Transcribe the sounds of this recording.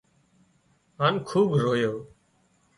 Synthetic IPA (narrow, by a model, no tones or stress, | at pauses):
ɦaːnkʰuːbɾoːjoː